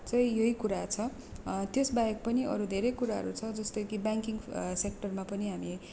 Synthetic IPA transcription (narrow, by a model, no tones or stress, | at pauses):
t͡sʌj̃jʌɦikuɾat͡sʰʌ | t̪josbajek̚pʌniʔʌ̰ɾud̪ʱeɾʌjkuɾaɦʌ̰ɾut͡sʰʌd͡zʌst̪ʌjkibaŋkiŋɡsek̚ʈʌrmapʌniɦami